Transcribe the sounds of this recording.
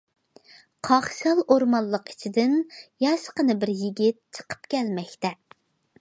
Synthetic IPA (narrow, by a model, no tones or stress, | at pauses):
qʰɑχʃɑlˠoɾmɑnlˠːəqi̥t͡ʃʰid̪ɪnjɑʃqənɨbɪɾjiɡʲit̪̚t͡ʃʰə̥qʰə̥pkʲʰɛlmɛkʲt̪ɛ